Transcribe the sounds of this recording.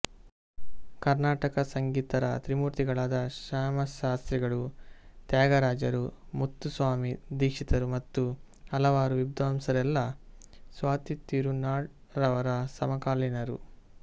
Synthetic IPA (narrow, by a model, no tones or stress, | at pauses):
kɐɾnaːʈɐkɐsɐŋɡiːt̪ɐɾɐ̰t̪ɾimuɾt̪iɡɐɭaːd̪ɐʃaːmɐʃaːst̪ɾiɡɐɭut̪jaːɡɐɾaːd͡ʒɐɾumut̪ːusʋaːmid̪iːkʂit̪ɐɾumɐt̪ːu | ɐlɐʋaːɾuʋibd̪ʋaːmsɐɾɛlːɐsʋaːt̪it̪ːiɾunaːɾɐʋɐɾɐsɐmɐkaːlinɐɾṵ